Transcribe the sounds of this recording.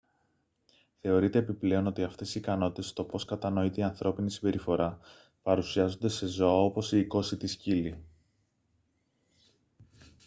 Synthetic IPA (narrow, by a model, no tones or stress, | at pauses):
θe̞o̞ɾit̪e̞ːpiple̞o̞no̞t̪iɐft̪e̞siikɐno̞t̪i̥t̪e̞st̪o̞po̞skɐt̪ɐno̞it̪e̞iɐnθɾo̞pinisimbe̞ɾʔifo̞ɾʔɐ | pɐɾusiɐzond̪e̞se̞zo̞ɐo̞po̞siːko̞sit̪iscili